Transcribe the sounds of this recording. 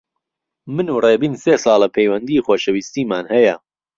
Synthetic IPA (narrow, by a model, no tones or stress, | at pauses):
mɨnureːbiːnsesɑːlˠɐpʰejwɐnd̪iːxoːʃɐwist̪iːmaːnhɐjɐ